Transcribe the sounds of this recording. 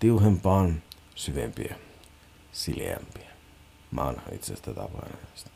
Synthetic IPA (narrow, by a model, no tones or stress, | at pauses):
t̪iuhempɑːn | syʋempiæ | silḛæ̰mpiæ | ʋɑ̰nhɑḭt̪sḛst̪æt̪ɑpɑinɑmɑst̪ɑ̥